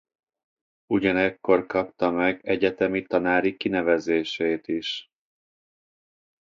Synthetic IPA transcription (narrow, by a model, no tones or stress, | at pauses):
uɟɒnɛkːo̞rkɒp̚t̪ɒmɛɡɛɟɛt̪ɛmit̪ɒnaːɾikinɛvɛzeːʃeːt̪iʃ